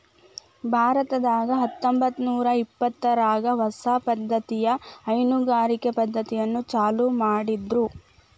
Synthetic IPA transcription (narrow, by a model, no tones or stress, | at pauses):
bʱaːɾɐt̪ɐd̪aːɡɐɦɐt̪ːombɐt̪ːnuːɾɐipːɐt̪ːɐɾaːɡɐʋɐsaːpɐd̪ʱːɐt̪ijɐːjnuɡaːɾikepɐd̪ʱːɐt̪ijɐnːut͡ʃaːlumaːɽid̪ɾu